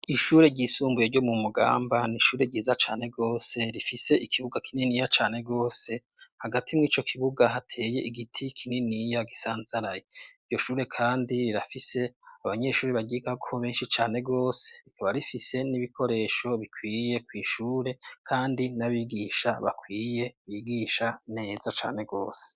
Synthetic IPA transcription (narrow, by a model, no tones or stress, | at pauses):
iʃuːɾe̞ɾɟiːsuːmbujeɾɟo̞mumuɡa̰ːmbaniʃuːɾeɟiːzat͡ʃaːne̞ɡo̞ːse̞ɾifise̞ʔikʰiβuɡakininijat͡ʃaːne̞ɡo̞ːse̞ | haɡatʰimŋiːt͡ʃo̞kʰiβuɡaɦatʰe̞ːje̞ʔiɡitʰikʰininijaɡisaːnzaɾajeivɟo̞ʃuːɾe̞kʰaːndiɾiɾafise̞aβaɲe̞ʃuːɾiβaɡiɡakʰoβe̞ːnʃit͡ʃaːne̞ɡo̞ːse̞̥ɾikʰaβaɾifise̞niβikʰo̞ɾe̞ːʃo̞βikwiːje̞kwiːʃuːɾe̞kʰaːndinaβiɡiːʃaβa̰kʰwiːje̞βiːɡiʃane̞ːzat͡ʃa̰ːne̞ɡo̞̰ːse̥